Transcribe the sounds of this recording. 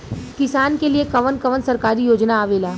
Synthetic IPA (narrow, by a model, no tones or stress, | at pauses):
kɪsaːnkeliekɐʋənkɐʋənsɐɾkaːɾijoːd͡ʒnaːʋeːlaː